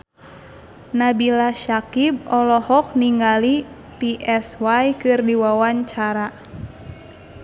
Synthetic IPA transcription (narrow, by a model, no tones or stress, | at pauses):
nabilaʃakib̚ɔlɔhɔk̚niŋɡali | piʔɛswajkɨrdiwawaɲt͡ʃaɾa